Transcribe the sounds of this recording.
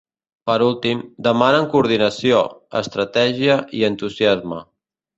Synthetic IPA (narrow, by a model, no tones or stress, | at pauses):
pəɾulˠt̪imd̪əmanəŋkuːɾð̞inəsioə̰st̪ɾət̪ɛʒiəʔiənt̪uziazmə